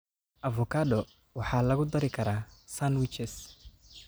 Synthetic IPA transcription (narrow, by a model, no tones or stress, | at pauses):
ʔɐvɔkʰaːd̪ɔ | wɑħɑːlɐɣʊd̪ɐɾɪkʰɐɾaːsanwɪt͡ʃɛs